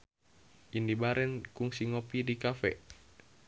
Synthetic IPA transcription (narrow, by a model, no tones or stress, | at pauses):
ʔindibaɾʔɛnkuŋsiŋopidikafɛ̰